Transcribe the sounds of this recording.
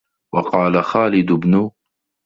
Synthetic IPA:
wɑqɑːlaxaːlɪd̪ʊbnʊ

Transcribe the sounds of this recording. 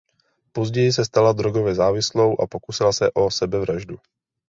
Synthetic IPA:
po̞zɟɛjɪs̬ɛst̪alad̪ɾoɡo̞vjɛzaːvɪslo̞wʔa̰po̞kusɪlasɛʔo̞sɛbɛvɾaʒdu

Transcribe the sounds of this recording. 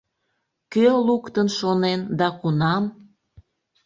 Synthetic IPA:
kølukt̪ənʃonend̪ɑkunɑm

